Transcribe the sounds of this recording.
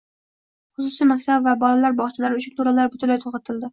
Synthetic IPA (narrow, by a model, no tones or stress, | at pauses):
χʊsʊsijmak̚ʲt̪ʰabvabɒlalaɾbɒʁt͡ʃʰalaɾɪʊʃɪplˠʊɾalaɾbʊt̪ʰʊlajt̪ʰoqɑt̪ʰɪld̪ɪ